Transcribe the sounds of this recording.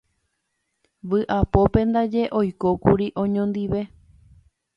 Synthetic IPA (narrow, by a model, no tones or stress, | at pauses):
ʋɨʔapo̞pẽ̞nd̪ad͡ʒe̞ʔo̞jkokuɾiʔõ̞ɲõnd̪iʋe̞